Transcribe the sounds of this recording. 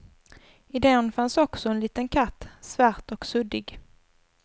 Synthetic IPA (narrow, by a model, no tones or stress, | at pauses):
ɪd̪ɛnfansɔksɔɛnliːt̪ənkʰat̪ːsvæɾt̪ɔksɵd̪ɪɡ